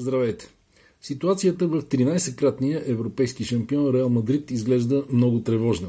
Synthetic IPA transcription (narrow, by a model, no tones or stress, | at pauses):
zd̪ɾɐvɛjt̪ɛ̥ | sit̪uat̪sijət̪əvəft̪ɾinajsɛkɾat̪nijəʔɛvɾopɛjskiʃɐmpiɔnɾɛalˠmɐd̪ɾit̪izɡlɛʒd̪əmnɔɡʊt̪ɾɛvɔʒnə